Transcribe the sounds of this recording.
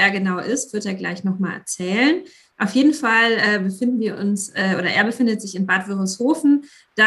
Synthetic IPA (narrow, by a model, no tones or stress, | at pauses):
eːɐɡənaʊʔɪstv̥ʏɐteːɐɡla̰ɪçnɔχmaːlʔɛ̰ɐt͡sɛːlən | ʔaʊfjeːdn̩falʔɛːbəfɪndn̩viːɐʔʊnsʔɛːʔoːɾɐʔḛːɐbəfɪndətz̥ɪçɪnbaːtv̥ɪʁəshoːfn̩ | d̥a